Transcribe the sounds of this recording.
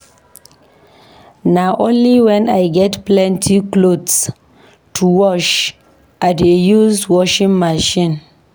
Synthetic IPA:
naʔõnliwɛ̃najɡɛtplɛ̃ntʰiklods | tʰuwɔʃ | ʔadejuzwɔʃĩŋmaʃĩn

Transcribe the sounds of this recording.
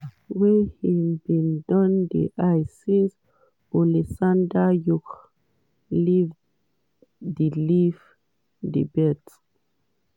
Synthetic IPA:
wɛhibĩndɔ̃ndḭʔajsis | ɔlisãndajuk | liv | dilif | dḭbɛt

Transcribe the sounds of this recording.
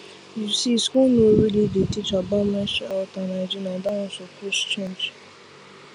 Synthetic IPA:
jusiskunoɾilidetit͡ʃabamɛʃɔtanad͡ʒinãdanʊ̃sokost͡ʃẽnd͡ʒ

